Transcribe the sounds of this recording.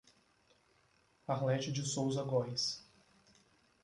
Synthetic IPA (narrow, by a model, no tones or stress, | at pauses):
aɾlɛt͡ʃɪd͡ʒɪsowzɐɡɔjs